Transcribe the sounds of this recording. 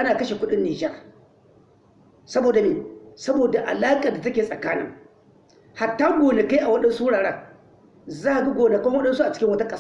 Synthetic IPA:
ʔa˦naː˨kɐ˦ʃe˨kʷʊ˦ɗɪ˦nːiː˨d͡ʒɛ˦r | sɐ˦boː˨da˨niː˨sɐ˦boː˨da˨ʔa̰˨laː˦kʼa˨da˨tɐ˦kʲeː˨sʼɐ˨kaː˦nɪ̰˦ŋ | ha˨tːaː˦ɡʷoː˨ne˨ka˦jʔa˨wɐ˦ɗɐ˦nsu˦ɽaː˨ɽaː˦ | zaː˦a˨ɡi˦ɡʷoː˨ne˨ka˦ŋwɐ˦ɗɐ˦nsu˦ʔa˨t͡ʃɪ̥˦kʲɪ˦ŋwɐ˦ta˦kʼɐ˦s

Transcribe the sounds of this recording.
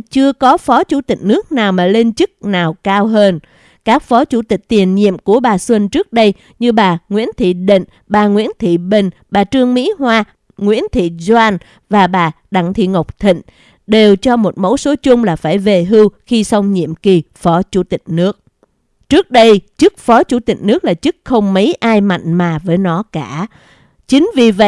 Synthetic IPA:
t͡ɕɨ˧əkɔ˨˦fɔ˨˦t͡ɕu˧˩t̪ï˨˩k̟̚nɨ˦˥ək̚naː˨˩wmaː˨˩le˧nt͡ɕɨ˦˥k̚naː˨˩wkaː˧wɦəː˧n | kaː˦˥k̚fɔ˨˦t͡ɕu˧˩t̪i˨˩k̟̚t̪i˨˩ənɲḭ˧˨əmku˧˩əɓaː˨˩swi˧nt͡ɕɨ˦˥ək̚ɗə˧j | ɲɨ˧ɓaː˨˩ŋwḭ˧˥ənt̪ʰḭ˧˨ɗḭ˧˨ŋ | ɓaː˨˩ŋwḭ˧˥ənt̪ʰḭ˧˨ɓḭ̈˧˩˨ŋ̟ɓaː˨˩t͡ɕɨ˧əŋmḭ˧˥ɦwaː˧ | ŋwḭ˧˥ənt̪ʰḭ˧˨za˧n | vaː˨˩ɓaː˨˩ | ɗa˧˩ŋt̪ʰḭ˧˨ŋə˨˩wk͡p̚t̪ʰḭ˧˨ŋ̟ | ɗe˨˩wt͡ɕɔ˧mo˨˩t̚mo̰˧˥wso˨˦t͡ɕʊ˧ŋ͡mlaː˨˩faː˧˩jve˨˩ɦɨ˧wxi˧sa˧wŋ͡mɲḭ˧˨əmki˨˩fɔ˨˦t͡ɕu˧˩t̪ï˨˩k̟̚nɨ˦˥ək̚ | t͡ɕɨ˦˥ək̚ɗə˧jt͡ɕɨ˦˥k̚fɔ˨˦t͡ɕu˧˩t̪ï˨˩k̟̚nɨ˦˥ək̚laː˨˩t͡ɕɨ˦˥k̚xə˧wŋ͡mmə˨˦jʔaː˧jma̰˧˨jŋ̟maː˨˩vəː˨˦jnɔ˨˦kaː˧˩ | t͡ɕï˨˦ŋ̟vi˨˩və̰˧˨

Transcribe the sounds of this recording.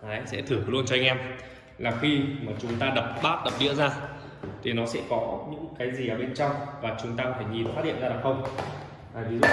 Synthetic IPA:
ʔaː˨˦jsɛ̰˧˥t̪ʰɨ˧˩əlu˧ənt͡ɕɔ˧a˧ŋ̟ʔɛ˧m | laː˨˩xi˧maː˨˩t͡ɕʊ˨˦ŋ͡mt̪aː˧ɗə˨˩p̚ɓaː˦˥t̚ɗə˨˩p̚ɗḭ˧˥əzaː˧ | t̪ʰi˨˩nɔ˨˦sɛ̰˧˥kɔ˨˦ɲɨ̰˧˥ŋkaː˨˦jzi˨˩ʔəː˨˩ɓe˧nt͡ɕɔ˧wŋ͡mvaː˨˩t͡ɕʊ˨˦ŋ͡mt̪aː˧˦fʰa˧˩jŋi˨˩nfa˦t̚hḭ˧˨ənzaː˧ɗa˨˩xə˧wŋ͡m | aː˨˩jvʰi˨˩z

